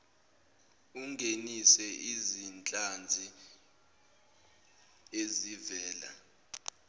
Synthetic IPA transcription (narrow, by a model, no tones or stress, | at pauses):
uŋʱenisɛʔizint͡ɬʼand͡zʱi | ezivɛːla̰